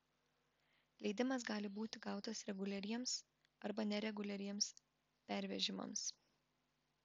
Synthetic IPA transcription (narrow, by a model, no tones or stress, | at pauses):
lʲɛɪd̪ʲɪmɐs̬ɡɑːlʲɪbuːt̪ʲɪɡɑˑʊt̪ɐsɾʲɛɡʊlʲɛɾʲiɛms | ɐɾbɐnʲɛɾʲɛɡʊlʲɛɾʲiɛms | pʲæˑɾʲʋʲɛʒʲɪmɐ̰ms